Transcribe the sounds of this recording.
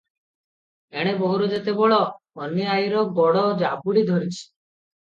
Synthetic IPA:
eɽ̃ebɔɦuɾɔd͡ʒet̪eboɭɔː | nːiajɾɔɡɔɽɔd͡ʒabuɽid̪ʱɔɾit͡ʃʰi̥

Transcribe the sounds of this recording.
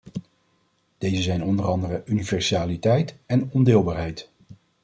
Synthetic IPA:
d̥ejzəzɛjnɔndərɑndərəʔynivɛɹsaːlitɛjtɛnɔndɪːlˠbaːɹɦɛjt

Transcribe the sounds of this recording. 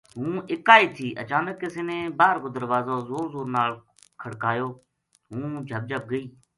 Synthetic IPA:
ɦũːɪkaːiːt̪ʰiːʔət͡ʃaːnəkːɪseːnẽːbaːɾkoːd̪əɾʋaːzoːzoːɾzoːɾnaːl | kʰəɽkaːjoː | ɦũːd͡ʒʱəb̚d͡ʒʱəp̚ɡəiː

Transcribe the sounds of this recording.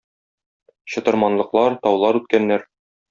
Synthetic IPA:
ɕɤ̆t̪ɤ̆ɾmɑnlˠɤ̆qlˠɑɾt̪ɒwlˠɑɾʉt̪̚kænːæɾ

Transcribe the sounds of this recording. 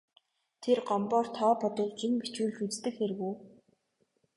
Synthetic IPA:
t̪ʰerɢɔmpɔːr̥t̪ʰɔːpɔt̪ɞ̆ɮt͡ɕimpit͡ɕuːɮt͡ɕut͡st̪ɘ̆kxeɾ̆ɣuː

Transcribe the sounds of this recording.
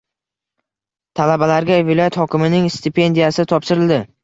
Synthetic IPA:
t̪ʰalabalaɾɡʲavɪlˠɒjat̪hɒkʲɪmɪnɪŋst̪ɪpʰe̞nd̪ijasɪt̪ʰɒpʃɪɾɪld̪ɪ

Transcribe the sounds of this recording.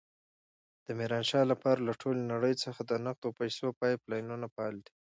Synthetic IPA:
d̪̥əmiɾɑnʃɑlapɑɾalaʈʰolenaɽəjt͡səxad̪ənaq̚d̪opajsopɑjplɑjnunapɑld̪i

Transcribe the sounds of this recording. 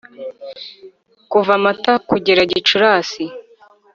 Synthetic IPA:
kuvamatakuɟeɾaɟit͡ʃuɾaːsi

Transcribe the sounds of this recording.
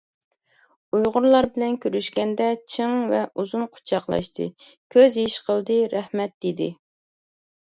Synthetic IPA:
ujʁʊɾlˠɑɾbɪlɛnkʲʰøɾyʃkʲɛnd̪ɛt͡ʃʰɨŋvɛʔuzunqʰʊ̥t͡ʃʰɑqlˠɑ̰ʃt̪ʰɨ̰kʲʰøzɦiʃqʰəlˠd̪ɨɾɛhmɛt̪̚d̪ed̪ɪ̰

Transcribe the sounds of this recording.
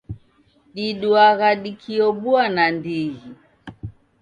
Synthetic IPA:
ɗiɗuaɣaɗikʰiɔɓuanandiɣi

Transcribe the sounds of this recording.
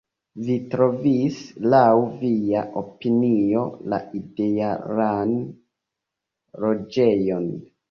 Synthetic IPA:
vitɾo̞vislawviaʔopinio̞la̰idejaɾan | lo̞d͡ʒe̞jo̞n

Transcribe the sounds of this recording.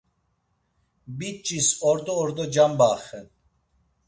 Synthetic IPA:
bit͡ʃʼisɔɾd̪ɔːɾd̪ɔd͡ʒambaχɛ

